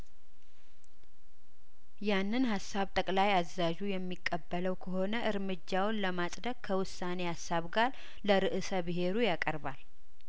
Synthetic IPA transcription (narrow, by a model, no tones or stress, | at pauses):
janːɨnɦasːaβt̪ʼəkʼlajazːaʒujɛmːikʼːəbːələwkʰəho̞nəʔɨɾmɨd͡ʒːawnləmasʼd̪əkkʰəwʊsːane̞hasːaβɡaɾ | ləɾɨʔɨsəbɨɦe̞ɾujakʼəɾbal